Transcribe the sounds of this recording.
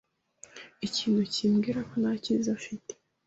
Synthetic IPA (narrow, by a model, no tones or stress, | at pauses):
iciːnhuciːmɡiːɾako̞nacinzafite̥